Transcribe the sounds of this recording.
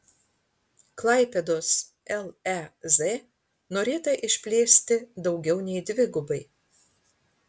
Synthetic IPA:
klˠɐˑɪpʲɛd̪oːs | ɛlˠɛze | noːɾʲeːt̪ɐʔɪʃʲpʲlʲeːsʲt̪ʲɪd̪ɒʊɡʲɛʊnʲɛɪd̪ʲʋʲɪɡʊbɐɪ

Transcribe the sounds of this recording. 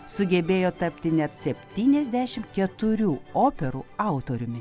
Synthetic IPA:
sʊɡʲɛbʲeːjoːt̪ɐpʲt̪ʲɪnʲɛt̪sʲɛpʲt̪ʲiːnʲɛzʲd̪ʲæʃʲɪmkʲɛt̪ʊɾʲuːoːpʲɛɾṵːɑˑʊt̪oːɾʲʊmʲɪ

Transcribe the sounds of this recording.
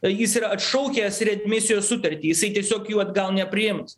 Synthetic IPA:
jɪsiɾɐɐt̪ʃɐʊkʲɛːsɾʲɛt̪ʲmʲɪsʲɪjoːssʊt̪ɐɾʲt̪ʲiːjɪsɐɪt̪ʲiɛsʲoːkjuːɐd̪ɡɐlˠnʲɛpʲɾʲɪjɪms

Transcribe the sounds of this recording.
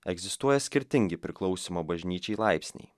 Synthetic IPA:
ɛɡzʲɪst̪uɔjɛsʲkʲɪɾʲt̪ʲɪŋʲɡʲɪpʲɾʲɪklˠɒʊsʲimɐbɐʒʲnʲiːt͡ʃʲɛɪlˠɑɪpʲsʲnʲɛ̰ɪ

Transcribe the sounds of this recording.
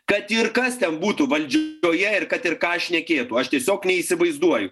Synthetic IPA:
kɐt̪ɪɾkɐst̪ʲɛnbuːt̪uʋɐlʲd͡ʒʲoːjɛɪɾkɐt̪ɪɾkɑːʃʲnʲɛkʲeːt̪uɐʃt̪ʲiɛsʲoːknʲɛiːsʲɪʋɐɪzd̪uɔjʊ

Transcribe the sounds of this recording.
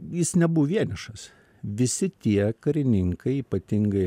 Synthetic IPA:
jɪsnʲɛbuʋʋʲiɛnʲɪʃɐs | ʋʲɪsʲɪt̪ʲiɛkɐɾʲɪnʲɪŋkɐɪiːpɐt̪ʲɪŋɡɐɪ

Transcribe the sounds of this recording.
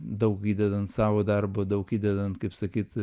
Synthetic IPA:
d̪ɐʊkiːd̪ʲɛd̪ɐnt̪sɑːʋoːd̪ɐrboːd̪ɐʊkiːd̪ʲɛd̪ɐnt̪kɐɪpsɐkʲiːt̪

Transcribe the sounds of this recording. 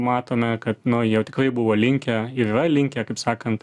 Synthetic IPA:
mɑːt̪oːmʲɛkɐt̪nʊjɛʊt̪ʲɪ̥kɾɐɪbʊʋoːlʲɪŋʲkʲɛiːɾiːrɐlʲɪŋʲkʲɛkɐɪpsɑːkɐnt̪

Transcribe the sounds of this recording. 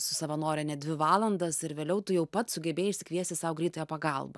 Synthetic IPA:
sʊsɐʋɐnoːɾʲɛnʲɛd̪ʲʋʲɪʋɑːlˠɐnd̪ɐsɪɾʋʲeːlʲɛʊt̪ʊjɛʊpɐt̪sʊɡʲɛbʲeːjɪʃʲsʲɪkʋʲiɛsʲt̪ʲɪsɑːʋʊɡɾʲiːt̪ojɛpɐɡɐlˠbɐ̰

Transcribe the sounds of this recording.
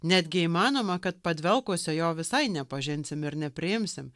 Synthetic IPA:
nʲæːd̪ʲɡʲɪiːmɑːnoːmɐkɐt̪̚pɐd̪ʲʋʲɛlˠkuːsʲɛjoːʋʲɪsɐɪnʲɛpɐʒʲɪnʲsʲɪmɪɾnʲɛpʲɾʲɪjɪmʲsʲɪm

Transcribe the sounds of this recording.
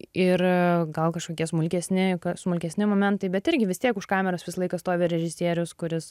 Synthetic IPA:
ɪrɡɐlˠkɐʃkoːkʲiɛsmʊlʲkʲɛsʲnʲɪkɐsmʊlʲkʲɛsʲnʲɪmoːmʲɛnt̪ɐɪbʲɛt̪ɪɾʲɡʲɪʋʲɪst̪ʲiɛkʊʃkɑːmʲɛɾosʋʲɪslˠɐɪkɐst̪oːʋʲeɾʲɛʒʲɪsʲiɛɾʲʊskʊɾʲɪs

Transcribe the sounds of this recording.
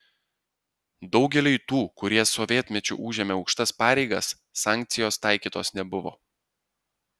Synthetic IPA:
d̪ɒʊɡʲɛlʲʊɪt̪uːkʊɾʲiɛsɔʋʲiɛt̪ʲmʲɛt͡ʃʲṵʔuːʒʲɛːmʲɛɒʊkʃt̪ɐspɑːɾʲɛɪɡɐsː | ɑːˑŋʲk̚ʲt̪sʲɪjoːst̪ɑˑɪkʲiːt̪oːsnʲɛbʊʋo̰ː

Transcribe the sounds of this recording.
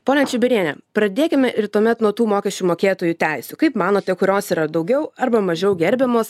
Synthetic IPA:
poːnʲɛnt͡ʃʲʊbʲɪɾʲiɛnʲɛpɾɐd̪ʲeːkʲɪmʲɛʔɪɾt̪uɔmʲɛt̪nuɔt̪uːmoːkʲɛsʲt͡ʃʲuːmoːkʲeːt̪oːjuːt̪ʲɛɪsʲukɐɪpmɑːnoːt̪ʲɛkʊɾʲoːsiːɾɐd̪ɐʊɡʲɛʊɐɾbɐmɐʒʲɛʊɡʲɛɾʲbʲɛmoːs

